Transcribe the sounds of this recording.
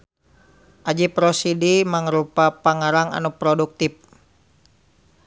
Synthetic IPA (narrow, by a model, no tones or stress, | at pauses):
ʔad͡ʒipɾɔsidimaŋəɾupapaŋaɾaŋa̰nupɾɔduk̚t̪ip̚